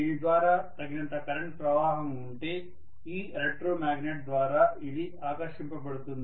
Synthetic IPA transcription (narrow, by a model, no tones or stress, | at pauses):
inid̪ʋaːɾaːt̪ɐɡinɐnt̪ɐkɐɾɐɳʈ̚pɾɐʋaːɦɐmuɳʈe̞ː | iːɾeʈɾoːmaːɡneʈ̚d̪ʋaːɾaːili | aːkɐɾʃimpɐpɐɽut̪und̪ii